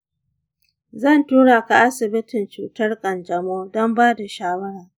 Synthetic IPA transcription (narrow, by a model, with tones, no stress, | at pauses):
zɐ˦˨ntuː˦ɽaː˨ka˨ʔa˦sɪ˨bɪ˦tɪ˨nt͡ʃuː˨tɐ˦rkʼɐ˨nd͡ʒɐ˨moː˦dɔ˦mbaː˦da˨ʃaː˦wɐ˦ɽaː˨